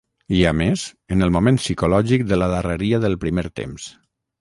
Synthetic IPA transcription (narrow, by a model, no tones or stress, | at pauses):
iamez | ənəlˠmumẽnsikulɔʒik̚d̪ələðərəɾiəðəlˠpɾimeɾt̪ḛms